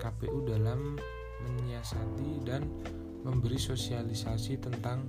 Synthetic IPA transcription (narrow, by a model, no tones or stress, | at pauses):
kapeʔudalamː | əɲiasat̪idan | məmbəɾisosialisasit̪ənt̪aŋ